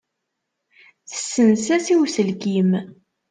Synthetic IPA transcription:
θə̥sːənsæsiwsəlkim

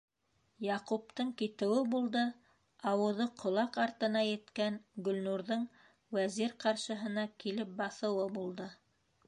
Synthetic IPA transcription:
jɑqup̚t̪ɤɴkit̪ɘ̆wɘbulˠd̪ɤ | ɑwɤ̆ðɤqʰŏlˠɑqɑɾt̪ɤ̆nɑjɘ̆t̪kænɡɵ̆lnuɾðɤɴ | wæziɾqɑɾʃɤ̆ɦɤ̆nɑkilɘp̚bɑθɤ̆wɤbulˠd̪ɤ

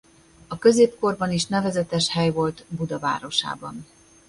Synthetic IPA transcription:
ɒkø̞zeːpko̞rbɒniʃnɛvɛzɛt̪ɛʃhɛjvo̞lt̪bud̪ɒva̰ːɾo̞ʃa̰ːbɒn

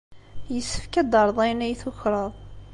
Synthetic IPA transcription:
jəsːə̥fkæd̪əɾˤðˤæjnæjθʊçɾˤəðˤ

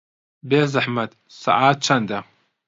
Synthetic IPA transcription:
beːzaħmad̪ | sa̰ʕaːt̪̚t͡ʃʰand̪a

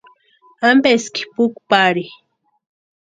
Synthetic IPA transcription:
ambeski̥pukpaɾi

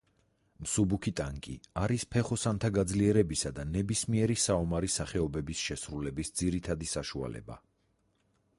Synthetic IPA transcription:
msubukʰit̪ʼaŋkʼḭaɾispʰɛχɔsant̪ʰaɡad̪zliɛɾɛbisad̪anɛbismiɛɾisaɔmaɾisaχɛɔbɛbisʃɛsɾulɛbisd̪ziɾit̪ʰad̪isaʃua̰lɛ̰ba̰

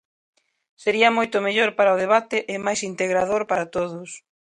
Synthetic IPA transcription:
seɾiɐmojt̪ʊmeʎoɾpaɾaoðeβ̞at̪ɪʔɪmajsint̪eɣɾaðoɾpaɾat̪oðʊs

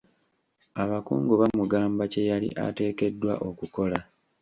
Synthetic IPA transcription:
aβakṵːŋɡoβamuɡaːmbace̞jalḭʔa̰te̞ːke̞dːwa̰ʔo̞kuko̞la

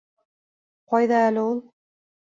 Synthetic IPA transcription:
qʰɒjd̪aælɪulˠ

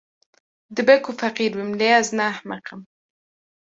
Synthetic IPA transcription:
d̪ɪbekufaqiɾwimleaznahmaqam

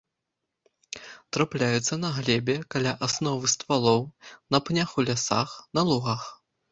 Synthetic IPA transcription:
t̪ɾaplʲajut̪sːɐnɐɣlʲɛbʲɛkalʲaʔasnɔvɨst̪valˠɔwnɐpnʲaxulʲasa̰xnɐlˠuɣax

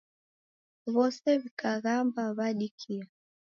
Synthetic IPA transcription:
βɔsɛβikʰaɣambaβaɗikʰia

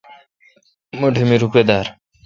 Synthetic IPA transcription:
moɖʱimiɾuped̪aɾ

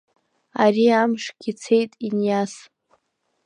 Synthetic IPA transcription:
aɾiamʂɡʲit͡sʰejtʼinjas

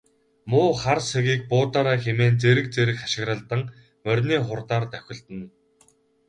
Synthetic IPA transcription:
mʊːχarseɣiːk̚pʊːt̪aːɾaːxemeːnt͡seɾɘ̆k̚t͡seɾɘ̆kχaʃɪ̆ɣɾə̆ɮt̪ə̆ŋ | mœrʲniːχʊrt̪aːrt̪œxʲɪ̆ɮt̪ɘ̆n

